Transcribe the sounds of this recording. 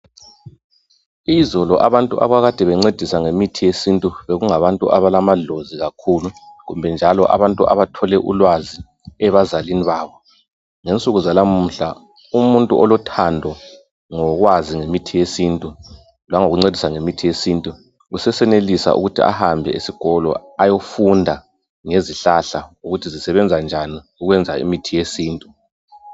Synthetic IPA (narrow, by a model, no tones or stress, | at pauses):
izɔlɔʔaβantʼṵʔa̰βaɣad̥ʱɛβɛŋ͡ǀed̥ʱisaŋemitʰijesintʼuβeɣuŋaβantʼṵʔaβalamaɮoziɣakʰuluɣumbʱɛnd͡ʒʱalɔʔa̰βantʼuʔa̰βatʰɔlɛʔṵlwazi | ɛβazaliniβaːβɔ | ŋent͡sʼuɣuzalamm̩ːɬa̰ | umuntʼuʔɔlɔtʰandʱɔ | ŋɔɣwaziŋemitʰijesintʼu | lwaŋoɣuŋ͡ǀedʱisaŋemitʰijesiːntʼu | ɣusɛsɛnelisa̰ʔṵɣutʰia̰hambʱɛ̰isiɡ̥ʱɔlɔ̰ajofundʱa | ŋeziɬaɬauɣutʰizisɛβɛnd͡zʱand͡ʒʱani | uɣwɛnd͡zʱaḭmitʰijesiːntʼu